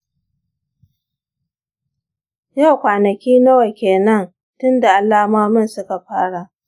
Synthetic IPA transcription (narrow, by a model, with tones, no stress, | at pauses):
ja˦˨wkʷaː˨nɐ˨kʲiː˦nɐ˦wa˨kʲeː˨nɐ˦n | tʊ˦nda˨ʔa˨lːaː˦maː˦mʊ˦˨nsʊ˦ka˨ɸaː˦ɽa˨ʔ